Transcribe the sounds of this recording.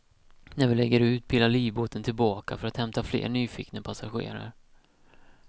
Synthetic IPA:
næɾvɪlɛɡːəɾʉ̟ːt̪̚pʰɪlːaɭiːvboːt̪ənt̪ʰɪlbɑːkafœɾat̪hɛmt̪aflḛːɾɳyːfiːknəpʰasaɧḛːɾa̰ɾ

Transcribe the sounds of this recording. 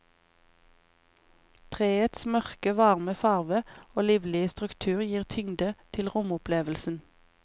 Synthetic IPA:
t̪ʰʁeːət̪smœʁkəʋɑʁməfɑʁʋəoːliːʋlɪəst̪ʁʉkt̪ʰʉːʁjiːʁt̪ʰʏŋd̪ət̪ʰɪlʁʊmʊpleːʋəl̩sn̩

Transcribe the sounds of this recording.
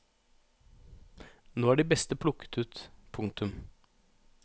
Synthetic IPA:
noːæːɖiːbɛst̪əpʰlʊkə̥t̪ʉːt̪pʰʊŋt̪ʉm

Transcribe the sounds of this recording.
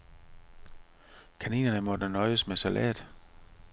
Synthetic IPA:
kʰænḭːnɐnəmɒ̽d̥ænɒ̽ɪəsmesælʔɛ̰ːd̥

